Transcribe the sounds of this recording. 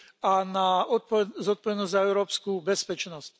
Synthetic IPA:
anaɔpɔzɔt̪̚pɔʋɛd̪nɔzʲzaɛʊɾɔːpskubɛspɛt͡ʃnɔsc

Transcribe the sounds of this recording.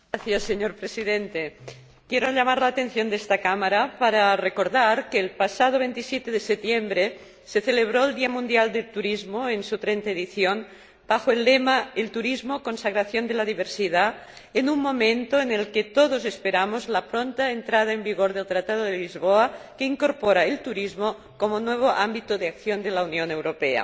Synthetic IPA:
aθjasːeɲoɾpɾesiðent̪e | kjeɾoʎamaɾlaːt̪enθjond̪est̪akamaɾapaɾarekoɾðaɾkeːlpasað̞oβ̞ent̪isjet̪eðeset̪jembɾe | seθeleβ̞ɾoeld̪iamũnd̪jald̪elt̪uɾizmoensut̪ɾent̪aeðiθjon | b̥axoelːemaelt̪uɾizmokonsaɣɾaθjond̪elaðiβ̞eɾsiða | enumːomẽnt̪oenelket̪oð̞ozespeɾamozlapɾont̪aent̪ɾað̞aembiɣoɾðelt̪ɾat̪að̞oðelizβoakeiŋkoɾpoɾaelt̪uɾizmo | komonweβ̞oʔambit̪oðeakθjond̪elaunjonewɾopea̰

